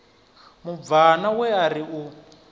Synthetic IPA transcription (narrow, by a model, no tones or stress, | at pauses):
muvanawɛaɾiu